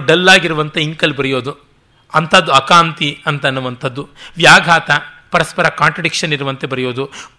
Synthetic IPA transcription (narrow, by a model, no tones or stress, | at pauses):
ɖɐlːaːɡiɾuʋɐnt̪eiŋkɐlbɐɾijo̞ːd̪u | ɐnt̪ʰɐd̪ːuɐkaːnt̪iɐnt̪ɐnːuʋɐnt̪ʰɐd̪ːuʋjaːɡʱaːt̪ɐpɐɾɐspɐɾɐkaːɳʈɾɐɖikʂɐniɾuʋɐnt̪e̞bɐɾijo̞ːd̪u